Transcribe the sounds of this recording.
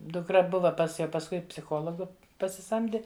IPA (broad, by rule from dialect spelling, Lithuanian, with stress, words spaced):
dʊkˈrɐ ˈbʊʋɐ pɐs ˈjɛʊ pɐsˈkʊɪ pʲsʲɪˈxoːlˠoːɡʊ pɐsʲɪˈsɐmʲdʲɪ